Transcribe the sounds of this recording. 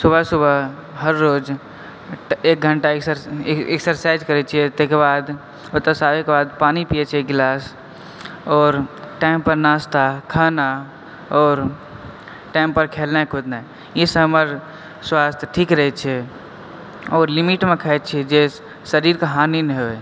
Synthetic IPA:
subʱəsubʱə | ɦəɾːod͡ʒ | ek̚ɡʱəɳʈaeksəɾḛksəɾsaɪd͡ʒkəɾɛt͡ʃʰiet̪ekebad̪ | ot̪əsabekebad̪paːnipijet͡ʃʰɛɡlas | ɔːɾʈampəɾnast̪akʰaːna | ɔːɾ | ʈaɪmpəɾkʰelnakʰʊd̪na | isəɦəməɾ | swast̪ʰjʈʰikɾəɦɛt͡ʃʰɛ | ɔːɾlimiʈmekʰəɛt̪t͡ʃʰɛd͡ʒe | səɾiɾkaɦanineɦoe

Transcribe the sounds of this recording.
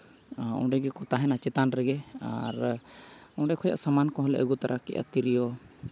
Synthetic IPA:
ɔ̰̃ɖɛɡɛkɔt̪aɦɛnat͡ʃɛt̪anɾɛɡɛaɾ | ɔ̃ɖɛkʰɔja̰ʔsamankɔ̃ɦɔlɛ̰ʔəɡut̪aɾʔakɛ̰ʔa̰t̪iɾijɔ

